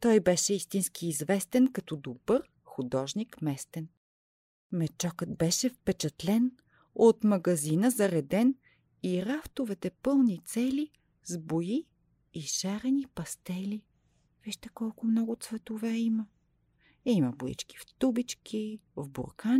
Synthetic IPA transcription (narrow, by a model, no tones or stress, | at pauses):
t̪ɔjbɛʃɛist̪inskiːzvɛst̪ɛnkɐt̪ɔd̪obɤɾ | xʊd̪ɔʒnikmɛst̪ɛn | mɛt͡ʃɔkət̪bɛʃɛfpɛt͡ʃɐt̪lɛn | ot̪mɐɡɐzinəzɐɾɛd̪ɛn | iɾaft̪ovɛt̪ɛpɤlˠnit̪sɛli | zbojiː | ʃaɾɛnipɐst̪ɛli | v̥iʃt̪ɛkɔlˠkʊmnɔɡʊt̪svɛt̪ovɛimə | imɐboḭt͡ʃki̥ft̪ubit͡ʃkʰivbo̰ɾkan